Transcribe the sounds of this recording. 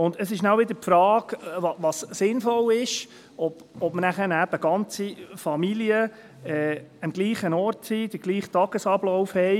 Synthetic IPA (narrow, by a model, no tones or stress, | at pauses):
ʊndəsɪʃnawʋɪd̪əɾpfɾɑːɡʋɑʋɑssɪnfɔlɪʃ | ɔb̥ɔbmənæχəɾnæb̥əɡ̥ɑnt͡sifɑmiljə | ɛəmɡliːχənɔɾtsid̥̪əɾɡliːχtɑɡ̥əsɑblɔʊfhɛɪ